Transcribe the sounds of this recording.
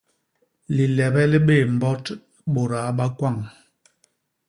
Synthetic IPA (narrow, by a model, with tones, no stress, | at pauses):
li˨lɛ˨bɛ˦li˦ɓe˦˨m˨bɔ˦t | ɓo˨ɾa˨˦ɓa˦kwa˦˨ŋ